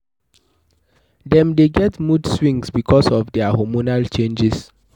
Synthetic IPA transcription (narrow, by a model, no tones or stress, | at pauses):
dɛ̃mdeɡɛtmudswĩŋsbikʰɔsɔfdɛahomunalt͡ʃẽnd͡ʒis